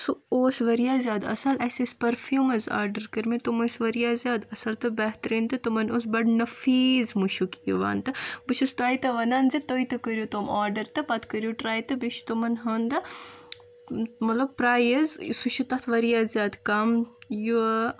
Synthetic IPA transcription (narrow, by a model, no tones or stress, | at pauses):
suoːsʋɐɾijaːzʲjaːd̪ɐ̰sɐlɐsespɐɾfjuːmɐza̰ːɾɖɐɾkəɾmit̪umusʋɐɾijaːzʲjaːd̪ɐsɐlt̪ɨbɐɦt̪ɐɾiːnt̪ɨt̪umɐnos̬bɐɖnɐfiːzmuʃukḭʋa̰ːnt̪ɨbɨt͡ʃʰust̪uaːjt̪ɐʋɐnaːnzit̪oːit̪ɨkəɾʲjut̪omaːɾɖɐɾt̪ɨpɐt̪ʰkəɾjuʈɾaːjt̪ɨbiʃt̪umɐnɦɐːnd̪ɐ | mɐt̪lɐb̚pɾaːjɐzsuʃut̪ɐt̪ʰʋɐɾijaːzʲjaːd̪kɐmju